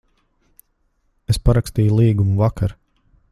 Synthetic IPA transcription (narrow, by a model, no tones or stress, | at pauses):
espaɾakst̪iːjulˠiːɡumuvakaɾ